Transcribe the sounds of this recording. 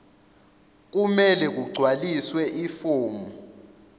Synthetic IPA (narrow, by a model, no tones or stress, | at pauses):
k̬umɛlɛk̬uɡ͡ǀʱwaliswɛʔifoːmu